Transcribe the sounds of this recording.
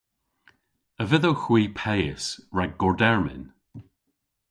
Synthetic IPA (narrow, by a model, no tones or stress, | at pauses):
əvɪðowxwiːpʰɛjɪsɹaɡɡɔɹdɛɹmɪ̰n